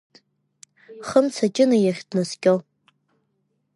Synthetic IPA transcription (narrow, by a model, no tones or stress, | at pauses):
χəmt͡sʰat͡ʃʼɪnajaχʲdnɨskʲʼol